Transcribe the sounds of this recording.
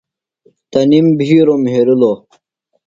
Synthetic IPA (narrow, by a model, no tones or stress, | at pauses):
t̪ɐnimbʱiːɾomɦeɾiloː